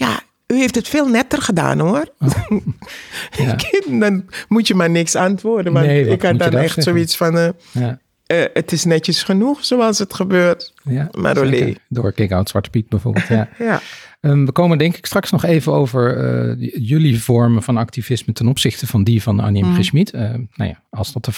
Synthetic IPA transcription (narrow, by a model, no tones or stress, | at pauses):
ja̰ | yheːftətfeːlˠnɛtərxəda̰ːnoər | kɪdɔnmutjəmanɪksantʋoːrdənʋɔnɪkhadɔnɛxtsoitsfɔnə | əətɪsnɛtjəsxənuxsoːɑlˠsətxəbøːrtjama̰ɾolḛːdʊːɹkɪkawtsʋɑɹtə̥pit̚bɛjvo̰ɹblˠtjajaəʋəkowməndɛŋkɪ̥kstrɑksnɔχeːvəno̰wvəɹə̰jʏlivɔɹmənvɑnɑktiv̥ɪsmətɛnɔpsɪxtəvɑndivɑna̰njɛmrɪsmitəna̰wja̰ɑlˠsdɑtə